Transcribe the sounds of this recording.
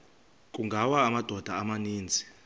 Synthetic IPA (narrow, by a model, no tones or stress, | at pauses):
kʼuŋɡʱawaːmad̥ʱɔd̥ʱaːmaniːnd͡zʱi̥